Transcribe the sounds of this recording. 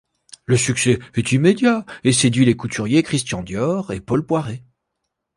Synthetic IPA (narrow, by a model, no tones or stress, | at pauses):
ləsyksɛɛt̪imed̪jaesed̪ɥilekut̪yʁjekχist̪jɑ̃d̪jɔʁepɔlpwaʁe